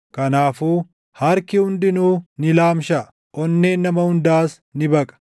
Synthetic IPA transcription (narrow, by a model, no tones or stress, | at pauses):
kɐnaːfuː | hɐɾkɪhʊnd̪ɪnuːnɪlaːmʃɐ | ʔɔnːeːnːɐmɐhʊnd̪aːs | nɪbɐkʼɐ̥